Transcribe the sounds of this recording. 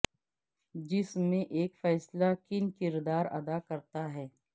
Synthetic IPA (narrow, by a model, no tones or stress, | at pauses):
d͡ʒɪsmẽʔeːkfɛːslakɪnkɪɾd̪aːɾɐ̰d̪akɐɾt̪aɦɛː